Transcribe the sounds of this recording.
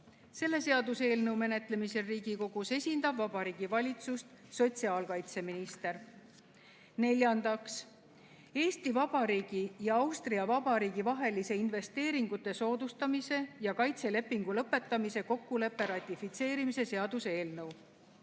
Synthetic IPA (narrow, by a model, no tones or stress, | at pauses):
se̞lːe̞se̞ɑd̪use̞ːlnɤwme̞ne̞t̪le̞mise̞riːɡ̥iko̞ɡ̥use̞sʲind̪̥ɑbvɑb̥ɑɾiːɡ̥ivɑlʲit̪sust̪so̞t̪ʲsiɑːlkɑjt̪se̞minist̪e̞r | ne̞lʲjɑnd̪̥ɑks | e̞ːst̪ivɑb̥ɑɾiːɡ̥ijɑɑwst̪riɑvɑb̥ɑɾiːɡivɑɦe̞lise̞inve̞st̪e̞ːɾiŋɡ̥ut̪ːˑe̞so̞ːd̪̥ust̪ɑmise̞jɑkɑjt̪se̞le̞pːiŋɡ̥ulɤpːˑe̞t̪ːˑɑmise̞ko̞kːule̞pːe̞ɾɑt̪ʲːˑifit̪se̞ːɾimise̞se̞ɑd̪̥use̞ːlnɤw